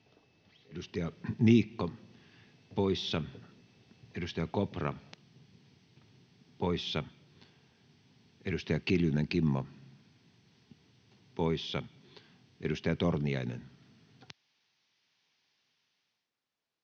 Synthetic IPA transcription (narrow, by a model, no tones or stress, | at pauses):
edust̪ɑjɑniːkːo | poisːɑ | edust̪ɑjɑkoprɑ̰ | poisːɑ | edust̪ɑjɑkiljuneŋkimːo | poisːɑ | ʔedust̪ɑjɑt̪orniɑ̰inḛn